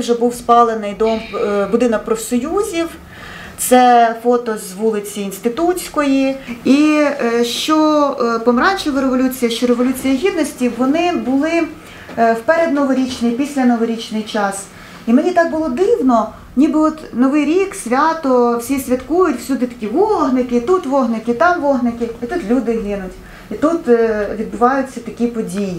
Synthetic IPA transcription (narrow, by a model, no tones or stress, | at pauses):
wʒɛbuwspɑlˠenɪjd̪ɔmbʊd̪ɪnɔk̚pɾɔfsɔjuzʲiw | t̪sɛfɔt̪ɔzʋulˠɪt͡sʲiːnst̪ɪt̪ut͡sʲsʲkɔjiiʃt͡ʃɔpɔmɾɑnʲt͡ʃɪlˠɐɾeʋɔlʲut͡sʲijɐʃt͡ʃɔɾeʋɔlʲut͡sʲijɐɦʲid̪nɔsʲtʲiːɔnɪbʊlˠɪ | wpɛɾed̪nɔʋɔɾʲit͡ʃnɪjpʲisʲlʲɐnɔʋɔɾʲit͡ʃnɪjt͡ʃɑs | imenʲit̪ɑk̚bʊlˠɔd̪ɪwnɔ | nʲibɪɔt̪nɔʋɪjɾʲiksʲʋʲat̪ɔwsʲisʲʋʲɐt̪kujʊtʲwsʲud̪ɪt̪ɐ̥kʲiʋɔɦnɪkɪit̪ut̪ʋɔɦnɪkɪt̪ɑmʋɔɦnɪkɪit̪ut̪lʲud̪ɪɦɪnʊtʲ | it̪ut̪ʋʲid̪bʊʋɑjʊt͡sʲːɐt̪ɐkʲipɔdʲiji